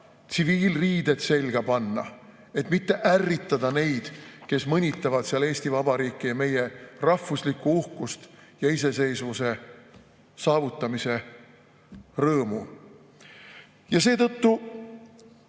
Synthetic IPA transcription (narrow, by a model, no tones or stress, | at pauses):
t̪siviːlriːd̪̥e̞t̪se̞lʲɡ̥ɑpɑnːɑ̰ | e̞t̪mit̪ːe̞ʔærːit̪ˑːɑd̪̥ɑne̞jd̪̥ke̞smɤnʲit̪ːˑɑvɑd̪̥seɑle̞ːsʲt̪ivɑbɑɾiːkːˑijɑme̞je̞rɑhfuslikːuuhkust̪jɑise̞se̞jsvuse̞ | sɑːvut̪ːˑɑmise̞ | rɤːmṵ | jɑse̞ːt̪ɤt̪ːu